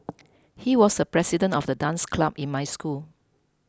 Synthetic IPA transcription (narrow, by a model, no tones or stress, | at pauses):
hiwɔsəpɹɛsidə̃ntɔfdədãnskʰlabĩnmajskul